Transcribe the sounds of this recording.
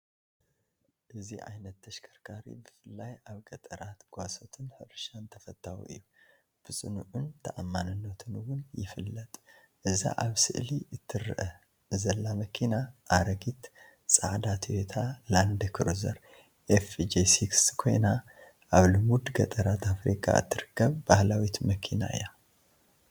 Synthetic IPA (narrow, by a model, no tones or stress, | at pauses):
ʔɨziʔa̰jnɐt̪ːʰɐʃkʰɐɾkʰaɾḭbɨfɨlːajaβɡɐt̪ʼɐɾat̪ɡ̥ʷaso̞t̪ʰɨnħɨɾʃant̪ʰɐfɐt̪ʰʼːawṵʔɨ̰jːu | b̥ɨsʼɨnuʕunt̪ʰɐʔamːanɨnːɐt̪ʰɨnwʊnjɪ̰fɨlːət̪ʼ | ʔɨza̰ʔaβsɨ̰ʔliʔɨt̪ʰːɨɾːɨ̰ʔɐ | zɐlːamɐkʰinaʔaɾɐɡit̪ | sʼaʕd̪at̪ʰwet̪ʰaland̪ɨkʰɨɾuzɐɾ | ʔefd͡ʒesikskʰo̞jna | ʔaβlɨmud̪ɡɐt̪ʼɐɾat̪ʰafɾikʼa̰ɨ̰t̪ʰːɨɾɨkʰːəβbahlawit̪mɐkʰina̰ɨ̰ja